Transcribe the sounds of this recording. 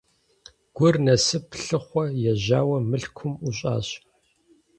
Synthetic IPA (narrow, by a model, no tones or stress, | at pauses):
ɡ̥ʷʊrnɐsɨpɬɨχʷɔjɛʑaːwɐmɨɬkʷʰʊmuɕʼa̰ːɕ